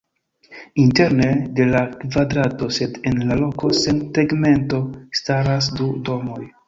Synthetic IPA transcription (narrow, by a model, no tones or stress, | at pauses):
inte̞ɾne̞de̞lakvadɾato̞se̞de̞nlalo̞ko̞senteɡme̞nto̞staɾas̬dudo̞mo̞j